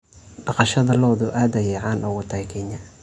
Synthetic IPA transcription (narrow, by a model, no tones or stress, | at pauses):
ɖɑqɑʃɐðɐlɔːðʊʔaːd̪ɐjɛjʕɑːnʔɔɣʊt̪ʰɐjkʰɛɲɐ